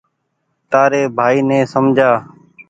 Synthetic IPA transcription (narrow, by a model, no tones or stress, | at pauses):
t̪aːɾeːbʱaːiːnɛ̃ːsəmd͡ʒʱaː